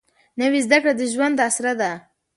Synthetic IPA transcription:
nawizd̪akɽad̪əʒwand̪asɾad̪a

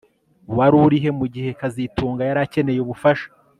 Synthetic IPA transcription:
waɾuɾiɦe̞muɟihe̞kazituːŋɡajaɾace̞ne̞jeβufaʃḁ

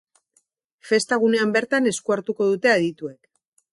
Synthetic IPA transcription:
fe̞st̪aɣ̞une̞ambe̞ɾt̪ane̞skuaɾt̪uko̞ð̞ut̪e̞aðit̪ue̞k

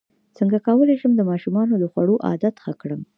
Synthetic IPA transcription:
t͡səŋɡakɑwəleʃəmd̪əmɑʃumɑnod̪əxwaɽoʔɑ̰d̪at̪xakɽəm

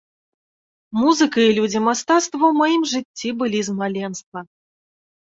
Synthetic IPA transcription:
muzɨkɐilʲud͡zʲimast̪at̪st̪vɐwmajimʐɨt͡sʲːibɨlʲizmalʲɛnst̪vɐ

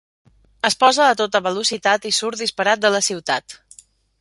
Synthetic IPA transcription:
əspɔzəːt̪ot̪əβəlusit̪at̪isuɾd̪ispəɾat̪̚d̪ələsiwt̪at̪

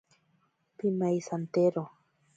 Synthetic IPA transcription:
pimajsant̪eɾo

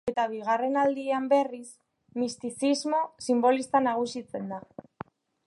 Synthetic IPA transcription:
e̞t̪aβ̞iɣare̞nald̪iambe̞ris | mist̪isizmo̞simbo̞list̪anaɣ̞usit͡se̞nd̪a

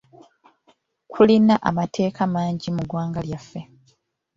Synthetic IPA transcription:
kʰulinaʔa̰matʰe̞ːkʰamaːɲɟimuɡwaːŋɡaljafːe̞

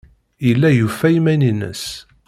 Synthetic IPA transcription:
əlːæjufːæjmæninə̰s

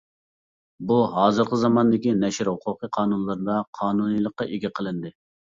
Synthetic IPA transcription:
buɦɑːzɨɾqəzɑmɑnd̪ɪkʲinɛʃɪɾhʊqʰʊqʰəqʰɑːnunlˠɨɾnd̪ɑqʰɑːnunɨjlˠəqːɑʔeɡʲɛqʰəlˠɨnd̪ɨ

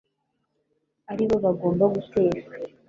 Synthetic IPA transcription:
aɾiβo̞βaɡo̞ːmbaɡute̞ːʃe

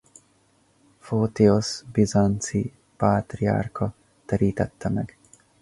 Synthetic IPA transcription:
foːt̪iosbizant̪si | paːt̪ria̰ːrkʰɒ | t̪ɛɾiːt̪ɛt̪ːɛmɛɡ̥

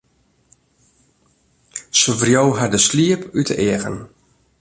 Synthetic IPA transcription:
səvrjowɦadəsliəpytə̰ʔɪəɣə̰n

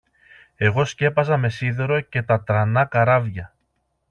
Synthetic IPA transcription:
e̞ɣo̞sce̞pɐzɐme̞siðe̞ɾo̞ce̞t̪ɐt̪ɾɐnɐkɐɾɐvʝɐ

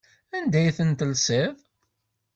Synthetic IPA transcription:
ænd̪æjθənt̪əlsev

